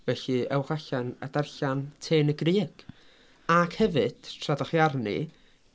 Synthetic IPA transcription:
vɛɬɨɛwχaɬana̰darɬantʰeːnəɡrɨːɡ̥ | akʰhɛvɨd̥tʰradaχjarnḭ

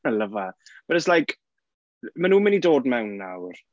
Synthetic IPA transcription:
ələvab̥əɾəslajk | mənuːmənidoːdmɛwnːa̰wr

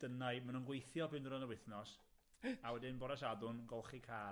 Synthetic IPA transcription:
d̥ənajmanunɡwejθjɔbɨndəɾɔnəwɪθnɔs | awɛdɪnbɔɾasadʊnɡɔlˠχikʰaː

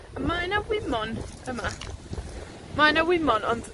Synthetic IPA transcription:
majnawɪmɔn | əma | majnawɪmɔnɔnd̥

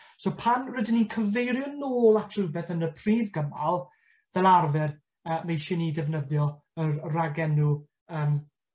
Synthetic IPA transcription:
sopʰanrədɪninkʰəvejɾjɔnoːlˠatʰrɨbɛθənəpʰriːvɡəmalˠ | vɛlˠarvɛr | əːmejʃɪnidɛvnəðjɔ | ərraɡɛnu | əːm

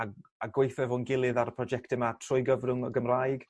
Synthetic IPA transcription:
aaɡwejθɛvɔnɡɪlˠɨðaɾpʰrɔd͡ʒɛktɪmatʰrʊjɡəvrʊŋəɡəmrajɡ̥

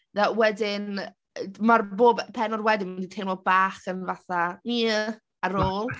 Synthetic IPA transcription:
ðɛwɛdɪn | marboːbpʰɛnɔrwɛdɪnmənditʰejnɔbaːχənvaθamiə | aɾoːlˠ

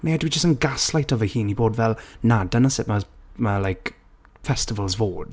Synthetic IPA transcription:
nejədəwid͡ʒəstə̃nɡaslajtɔvəhiːniboːdvɛlˠnadənəsɪʔməməlaɪk | fɛstɪvəlˠzvoːd̥

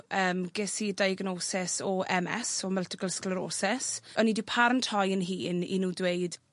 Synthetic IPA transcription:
ʔəːmɡɪsidajəɡnoːsɪsɔɛmɛsɔməltɪkəlˠsklˠəɾo̰ːsɛsənidɪpʰaɾəntʰɔjənɦiːnḭnuːdwejd̥

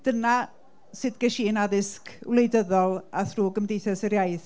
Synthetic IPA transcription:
d̥əna | sɨdɡ̥ɛʃiːnaðɪskʰwlejdəðɔlˠaθruːɡəmdejθɛsəɾjajθ

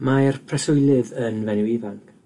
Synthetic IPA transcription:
majrpʰrɛsʊjlˠɨðənvɛnɪwivank

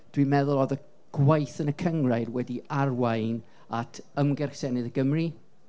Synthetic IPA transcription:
d̥wimɛðʊlˠɔðə | ɡ̥wajθənəkʰəŋraɨdwɛdiarwaɨn | atʰəmɡɛrsɛnɨðəɡəmri

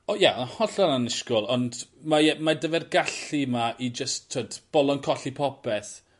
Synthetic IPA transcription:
ɔjahɔɬananɪʃkʊlˠɔndmaɛmadəvɛrɡaɬimaʔid͡ʒəstʰːoːdb̥ɔlˠɔnkʰɔɬipʰɔpɛθ

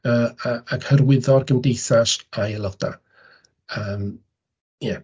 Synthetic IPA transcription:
əːaaɡhərwɪðɔrɡəmdejθaʃajəlˠɔd̥a̰ | əːm | jɛ

